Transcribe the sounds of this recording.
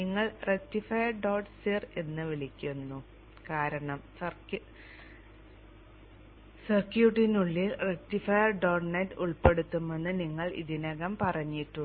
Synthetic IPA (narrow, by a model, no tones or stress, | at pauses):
niŋːɐɭretːifɐjɐrɖoːʈsire̞nːɨʋilikʲːunːu | kaːɾɐɳɐmsɐrk | sɐrkjuːʈːinuɭːilrek̚tːifɐjɐrɖoːʈnetːuɭpe̞ɽut̪ːumːenːɨniŋːɐɭḭðinɐɣɐmpɐrɐɲːiʈːuɳ